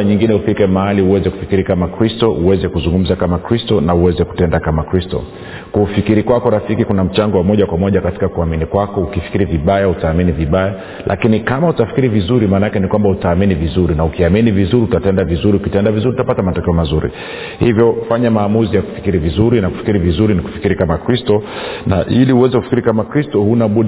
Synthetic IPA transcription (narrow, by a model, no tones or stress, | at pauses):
ɲiŋɡinɛufikɛmaaliuwɛzɛku̥fi̥kiɾikamakɾistɔʔuwɛzɛkuzuŋɡum̩zakamakɾistɔnauwɛzɛku̥tɛndakamakɾistɔ̰ | kufikiɾikwakɔɾafikikunam̩t͡ʃaŋɡɔwamɔʄakwamɔʄakati̥kakuaminikwakɔukifi̥kiɾiviɓajautaːminiviɓaja | lʔa̰kinikamautafi̥kiɾivizuɾimaːnaakɛnikwambautaːminivizuɾinaukiaminivizuɾiutatɛndavizuɾiukitɛndavizuɾiutapatamatɔkɛɔmazuɾḭ | hivjɔfaɲamaːmuzijaku̥fi̥kiɾivizuɾinaku̥fi̥kiɾivizuɾiniku̥fi̥kiɾikamakɾistɔnaʔiliuwɛzɛku̥fi̥kiɾikamakɾistɔhunaɓu